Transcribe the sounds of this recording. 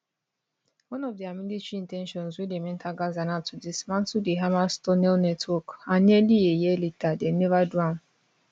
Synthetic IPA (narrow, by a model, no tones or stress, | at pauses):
wɔ̃nɔvdiamidit͡ʃiĩntɛ̃nʃɔ̃nzwidemɛ̃ntʰaɡazanatudismãntudeɦamastɔnɛlnɛtwɔkaɲɛdijejɛlitadenevadɹãn